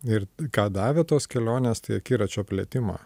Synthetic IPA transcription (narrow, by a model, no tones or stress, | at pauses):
ɪɾkɑːd̪ɑːʋʲeːt̪oːskʲɛlʲoːnʲeːst̪ɐɪɐkʲiːɾɐt͡ʃʲoːpʲlʲɛːt̪ʲɪmɑ̰ː